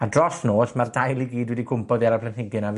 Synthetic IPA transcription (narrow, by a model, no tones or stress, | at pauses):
adrɔsnoːsmardajlˠiɡiːdwɛdikʰʊmpɔðiaɾapʰlˠənhɪɡɨnav